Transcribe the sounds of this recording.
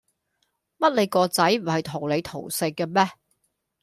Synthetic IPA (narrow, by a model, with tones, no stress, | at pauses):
mɐ˥t̚le˨˧jkɔː˧t͡sɐ˨˥jm̩˨˩hɐ˨jt̪ʰo˨˩wle˨˧jt̪ʰo̰˨˩wsɪ˧kːɛ˧mɛː˥